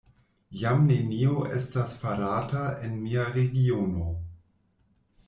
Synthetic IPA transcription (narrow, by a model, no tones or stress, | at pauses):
jamnenioʔestasfaɾataenmiaɾeɡiono̞